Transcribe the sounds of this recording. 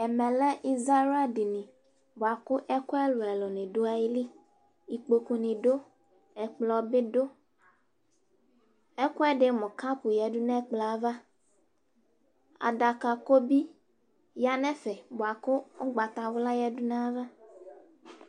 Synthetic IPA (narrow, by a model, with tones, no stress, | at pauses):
e˨mɛ̃˨le˦ʔi˦za˦ɾa˦ɖi˨nĩ˨ | bo˨a˨kʊ˦ʔɛ˦ko˦ɛ˦lo˨ɛ˨lɔ˨nĩ˨ɖo˦a˨ji˦li˦ | i˨k͡po˨ku˨nĩ˨ɖo˦ | ɛ˨k͡plɔ˨be˦ɖo˦ | ɛ˦ko˦ɛ˦ɖe˦mɔ̃˨ka˦pu˨jɛ˨ɖu˦nɛ̃˦k͡plɔ˨a˦va˦ | a̰˨ɖa˨ka˨ko˦bi˦ | ja˦nɛ˦fɛ˨bo˨a˨kʊ˦o˦ɡ͡ba˨t̪a˨wo˦la˦jɛ˨du˦na˦a˦va˦